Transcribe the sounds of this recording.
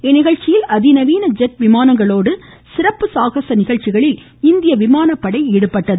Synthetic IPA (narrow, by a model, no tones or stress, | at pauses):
ɛnːɪɣɐɻt͡ʃɪjɪlɐðɪnɐʋiːnɐd͡ʒɛʈ̚ʋɪmaːnɐŋɡɐɭoːɽɯ | sɪɾɐpːɯsaːɣɐsɐnɪɣɐɻt͡ʃːɪɣɐɭɪl | ɪnd̪ɪjɐʋɪmaːnɐpːɐɽɐɪeːɽɯpːɐʈːɐðɯ